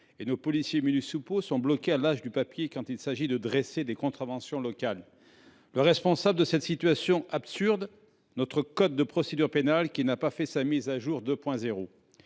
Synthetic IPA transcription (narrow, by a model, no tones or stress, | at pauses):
enopɔlisjeminysuposɔ̃blɔkʲealaʒd̪ypapjekɑ̃t̪ilsaʒid̪əd̪ʁesed̪ekɔ̃t̪χavɑ̃sjɔ̃lɔkalː | əʁɛspɔ̃sabləd̪əsɛt̪sit̪ɥasjɔ̃ʔapsyʁd̪ | nɔt̪χəkɔt̪̚d̪əpχɔsed̪yʁpenalkʲinapafɛsamizaʒuʁd̪øpwɛ̃zeʁo